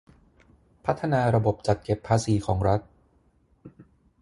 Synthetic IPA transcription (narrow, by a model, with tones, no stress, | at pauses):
pʰa˦˥t̪ʰːa˧naː˧ɾa˧bo˨˩p̚t͡ɕa˨˩t̪̚ke˨˩pʰːaː˧siː˩˦kʰɔː˩˦ŋɾa˦˥t̪̚